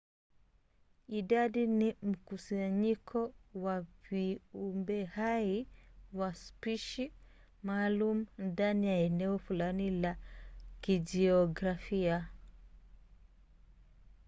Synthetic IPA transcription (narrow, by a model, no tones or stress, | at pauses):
iɗaɗinim̩kusaɲikʰɔwaviumbɛhaiwaspiʃi | maːlumundanijaɛnɛɔfulanilakid͡ʒɛɔɡɾafia